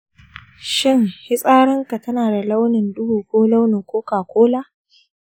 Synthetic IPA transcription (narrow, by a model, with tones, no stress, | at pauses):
ʃɪ˦˨ŋhɪ˦sʼaː˦ɽɪ˦ŋka˨tɐ˦naː˨da˨la˦wnɪ˨ndʊ˦buː˨kʷoː˦la˦wnɪ˨ŋkʷoː˦kaː˨kʷoː˦laː˦